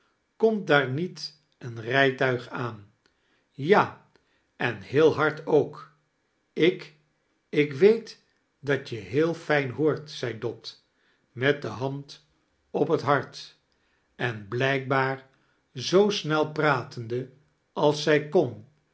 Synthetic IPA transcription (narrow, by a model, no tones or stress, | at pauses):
kɔmtdaːɹnit | ənrɛjtœɥχaːn | jaː | ɛnhɪːlˠɦɑɹtowk | ɪk | ɪkʋejt | dɑt͡ʃjəɦɪːlˠfɛjnɦʊːɹtsɛjdɔt | mɛt̚dəɦɑnt | ɔpɦətɦɑɹt | ɛnblɛjk̚baːɹ | zowsnɛlˠpraːtəndə | ɑlˠsɛjkɔn